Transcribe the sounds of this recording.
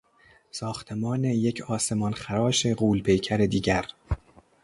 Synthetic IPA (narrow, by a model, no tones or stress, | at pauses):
sɒːxt̪ʰemɒːne̞jecʰɒːse̞mɒnxæɾɒːʃe̞ɢuːlpʰe̞jcʰæɾed̪iːɟæɾ